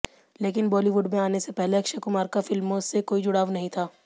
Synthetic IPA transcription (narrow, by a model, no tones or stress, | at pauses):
leːkɪnbɔːliʋʊɖmẽaːnesepɛɦleɐkʃekʊmaːɾkafɪlmõsekoːid͡ʒʊɽaːʋnɐɦĩt̪ʰaː